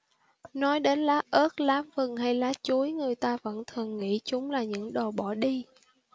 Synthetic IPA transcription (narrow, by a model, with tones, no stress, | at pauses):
nɔ˨˦jɗe˨˦nlaː˨˦ʔəː˦˥t̚laː˨˦mvɨ˨˩ŋha˧jlaː˨˦t͡ɕu˨˦jŋɨ˨˩əjt̪aː˧və̰˧˥nt̪ʰɨ˨˩əŋːḭ˧˥t͡ɕʊ˨˦ŋ͡mlaː˨˩ɲɨ̰˧˥ŋɗo˨˩ɓɔ˧˩ɗi˧